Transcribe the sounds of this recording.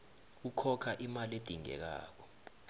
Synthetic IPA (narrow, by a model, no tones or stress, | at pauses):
ukʰɔkʰaʔimaled̥ʱiŋɛ̰k̬a̰ːk̬ɔ̥